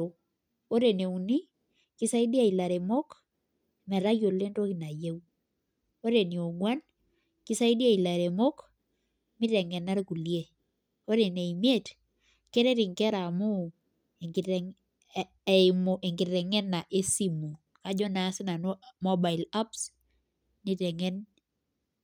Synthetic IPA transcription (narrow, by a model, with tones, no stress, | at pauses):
o˨˦ | o˦ɾe˨ne˨u˨ni˦ | kɪ˦sa˦i˦di˦a˨i˨la˨ɾe˨mo˦k | mɛ˨ɾa˦jo˨le˦nto˦ki˨na˨je˦w | o˦ɾe˨ni˨o˨ɡwa˦n | ki˦sa˦i˦di˦a˦i˨la˨ɾe˨mo˦k | mɪ˦tɛ˨ŋɛ˨na˦ɾku˨lje˦ | o˦ɾe˨ne˨i˨mje˦˨t | ke˦ɾɛ˦ɾɪ˨ŋkɛ˦ɾa˨mʊ˦ | e˨ŋ˨ | mo˨ʔe˨ŋɡɪ˨tɛ˨ŋɛ˦nːa˨ʔe˦si˦mu˨ | ka˨d͡ʒɔ˦na˨˦sɪ˦na˨n˦mɔ˦ba˨ɪ˨la˦ps | ni˨tɛ˨ŋɛ˦n